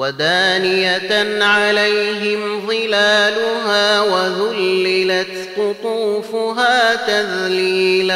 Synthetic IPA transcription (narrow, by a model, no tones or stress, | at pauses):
wad̪aːnɪjanʕalajɦɪmðˤɨlaːlʊɦaːwaðʊlːɪlat̪qʊt̪ˤuːfʊɦaːt̪aðliːl